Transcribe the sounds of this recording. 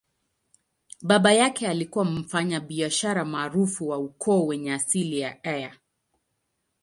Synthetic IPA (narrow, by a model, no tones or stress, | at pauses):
ɓaɓajakɛalikuwam̩faɲaɓiaʃaɾamaːɾufuwaukʰɔːwɛɲɛasilijaɛja